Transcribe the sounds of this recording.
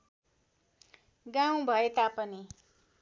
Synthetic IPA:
ɡaw̃bʱʌet̪apʌni

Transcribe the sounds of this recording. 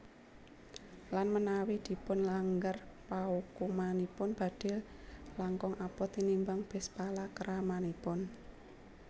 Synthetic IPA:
lanmənawid̪̥i̤pʊnlaŋɡərpaukumanipʊnb̥a̤d̪̥ɪ̤llaŋkɔŋʔapɔt̪inimbaŋb̥ɛ̤spalakəɾʔamanipʊn

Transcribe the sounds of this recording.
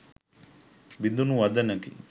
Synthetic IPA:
bid̪unuʋɐd̪ɐnɐkḭ

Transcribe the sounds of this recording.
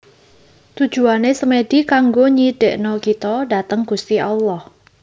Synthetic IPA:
t̪ud̥d͡ʒʒ̥ṳanesəmed̥ikaŋɡoɲiɖ̥eʔnɔkit̪ɔɖat̪əŋɡ̥ust̪iʔaulɔh

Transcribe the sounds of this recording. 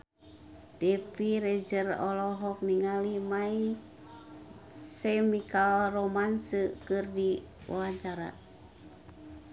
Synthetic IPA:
d̥ɛpiɾɛd͡ʒərɔlɔɦɔk̚niŋalimai | sɛmikalrɔmansəkɨrdi | wɔ̰aɲt͡ʃaɾa̰

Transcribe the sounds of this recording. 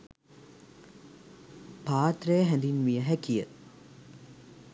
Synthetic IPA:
paːt̪rəjəɦɛnd̪inmijəɦækijə

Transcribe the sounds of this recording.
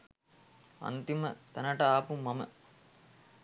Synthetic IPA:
ɐ̰nt̪imɐt̪ɛnɐʈɐaːpumːɐmɐ̰

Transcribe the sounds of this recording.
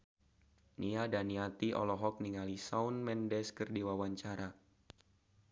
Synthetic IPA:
niadaniat̪iɔ̰lɔɦɔk̚niŋalisaunmɛndɛskərdiwawaɲt͡ʃaɾa

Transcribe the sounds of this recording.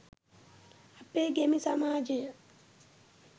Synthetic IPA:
apːeɡemisamaːd͡ʒe

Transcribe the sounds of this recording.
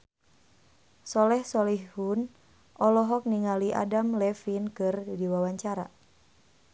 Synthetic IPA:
sɔlɛhsɔlihhun | ʔɔlɔɦɔk̚niŋaliʔa̰damlɛfinkɨrdiwawaɲt͡ʃaɾa

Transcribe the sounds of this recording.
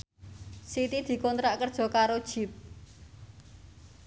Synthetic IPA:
sit̪id̪̥i̤kɔnt̪ɾaʔkərd̥ʒ̥ɔ̤kaɾod̥ʒ̥i̤p̚

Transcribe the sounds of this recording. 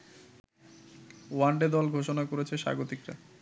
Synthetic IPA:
waɳɖed̪ɔlɡʱoʃonakoɾet͡ɕʰeʃa̰ɡot̪ikɾa̰

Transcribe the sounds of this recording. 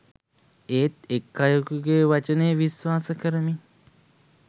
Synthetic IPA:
eːt̪ekːajukuɡeːʋat͡ʃəneʋiswaːsəkəɾəmi

